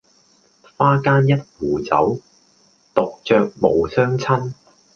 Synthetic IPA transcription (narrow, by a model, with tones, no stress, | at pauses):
faː˥kaː˥njɐ˥t̚wuː˨˩t͡sɐ̰˨˥w | t̪o˨k̚t͡ʃœː˨k̚mo˨˧wsœː˥ŋt͡sʰɐ˥n